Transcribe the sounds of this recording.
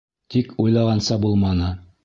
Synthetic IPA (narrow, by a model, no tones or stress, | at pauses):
t̪ikujlˠɑʁɑnsɑbulˠmɑnɤ